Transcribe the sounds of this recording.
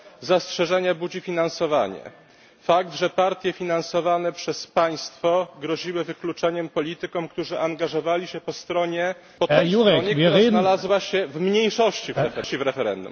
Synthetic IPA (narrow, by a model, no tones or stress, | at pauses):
zastʂɛʐɛɲabud͡ʑifʲinansɔva̰ɲɛ̰ | fak̚d̪ʐɛpaɾt̪ʲjɛfʲinansɔvanɛpʂɛspaj̃st̪fɔɡɾɔʑiwɘvɘklut͡ʂɛɲɛmpɔlʲit̪ɘkɔmkt̪uʐɘʔaŋɡaʐɔvalʲiɕɛpɔst̪ɾɔɲɛ | pɔt̪ɛjuɲɛɾznalazwaɕɛvmɲejʂɔɕt͡ɕivɾɛfɛt͡ɕivɾɛfɛɾɛ̰nd̪ṵm